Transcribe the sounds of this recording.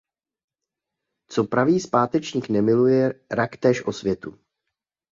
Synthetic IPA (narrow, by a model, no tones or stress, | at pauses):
t͡so̞pɾaviːspaːt̪ɛt͡ʃɲiːknɛmɪlujɛɾakt̪ɛːʃʔo̞svjɛt̪u